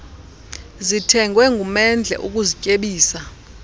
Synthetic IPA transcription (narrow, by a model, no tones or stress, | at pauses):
zitʰɛŋɡʱwɛŋɡʱumɛnd͡ɮʱɛ̰ʔuk̬ʼuzicʼeɓiːsa